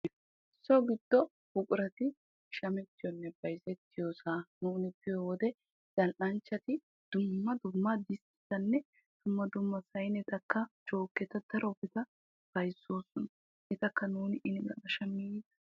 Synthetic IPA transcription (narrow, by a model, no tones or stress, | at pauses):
sːɔɡɪd̪̥ːɔ | bʊkʼʊɾɐt̪ɪ | ʃɐmɛt̪ːɪjɔnːɛbɐjsɛt̪ːɪjosaːnuːnɪpːɪjɔwɔd̪ɛ | z̥ɐlʔɐnt͡ʃːɐt̪ɪ | d̪̥ʊmːɐd̪ʊmːɐd̪ɪst̪ɪ̥t̪ɐnːɛ | d̪̥ʊmːɐd̪ʊmːɐsɐjnɛt̪ɐkːɐt͡ʃoːkːɛt̪ɐd̪̥ɐɾɔbɪt̪ɐ | b̥ɐjsːo̞ːsɔnɐ | ɪt̪ɐkːɐnuːnɪʔɪnɪɡɐ̰kɐʃɐmːiːd̪ɐ̥